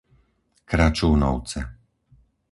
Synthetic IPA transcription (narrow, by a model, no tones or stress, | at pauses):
kɾat͡ʃuːnɔ̰ʊt͡sɛ